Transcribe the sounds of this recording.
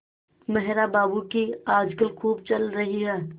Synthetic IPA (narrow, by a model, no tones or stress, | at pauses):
mɛɦɾabaːbukiaːd͡ʒkəlkʰuːb̚t͡ʃɐlɾɐɦiɦɛː